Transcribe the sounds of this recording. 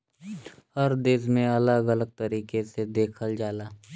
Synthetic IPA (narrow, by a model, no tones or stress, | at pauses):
həɾd̪eːzmẽɐləɡələɡ̚t̪əɾiːkesed̪eːkʰəld͡ʒaːlaː